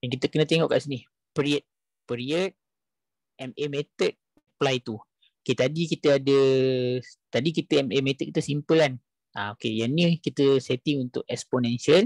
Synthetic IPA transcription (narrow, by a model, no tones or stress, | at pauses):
jaŋkit̪əkənət̪eŋɔʔkaʔsinih | pəɾiət̪̚ | pəɾiət̪̚ | ɛmemet̪ət̪̚ | plajt̪u | oket̪adikit̪əadə | t̪adik̬it̪əɛmemet̪ət̪̚kit̪əsimpəlan | ʔaokejanĩkit̪əset̪ɪŋunt̪ʊʔ̚ɛksponɛnsəl